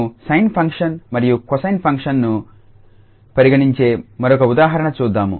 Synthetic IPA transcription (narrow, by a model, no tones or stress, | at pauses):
sɐjnpʰɐŋkʂɐnmɐɾijukɔsɐjnpʰɐŋkʂɐnːu | pɐɾiɡɐɽiɲt͡ʃeːmɐɾɔkɐud̪aːɦɐɾɐɳɐt͡ʃuːd̪ːaːmṵ